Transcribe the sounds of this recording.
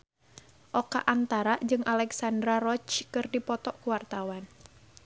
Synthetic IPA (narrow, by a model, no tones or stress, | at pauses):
ʔɔkaʔant̪aɾad͡ʒɨŋʔalɛksandɾaɾɔt͡ʃkɨrdipɔt̪ɔkuwart̪awan